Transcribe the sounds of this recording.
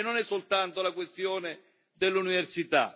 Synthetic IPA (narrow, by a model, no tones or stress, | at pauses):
nonɛsːolt̪ant̪olakwest̪jɔːnɪ | d̪elːuniversit̪a̰